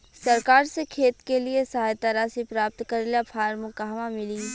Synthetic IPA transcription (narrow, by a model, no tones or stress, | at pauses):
sɐɾkaːɾsekʰeːt̪keliesɐɦaːjt̪aɾaːsipɾaːp̚t̪kɐɾelapʰaːɾmʊkaɦmamɪliː